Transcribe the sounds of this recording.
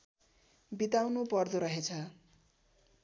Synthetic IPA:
bit̪awnupʌrd̪uɾʌɦet͡sʰʌ

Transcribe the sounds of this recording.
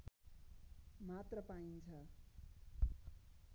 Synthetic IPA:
mat̪rʌpaint͡sʰʌ

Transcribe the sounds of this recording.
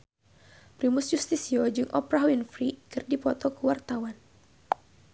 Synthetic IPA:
pɾimusjust̪isiɔd͡ʒɨŋʔɔpɾaɦwinfɾikɨrdipɔt̪ɔkəwart̪awan

